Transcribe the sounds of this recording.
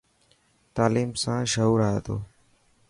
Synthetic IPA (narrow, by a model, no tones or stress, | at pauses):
t̪aːliːmsãːʃəɦuːɾaːeːt̪o̰ː